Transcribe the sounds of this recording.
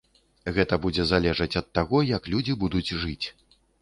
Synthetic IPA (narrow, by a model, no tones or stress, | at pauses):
ɣɛt̪ɐbud͡zʲɛzalʲɛʐɐt͡sʲɐt̪ːaɣɔjɐklʲud͡zʲibud̪ud͡zʲʐɨt͡sʲ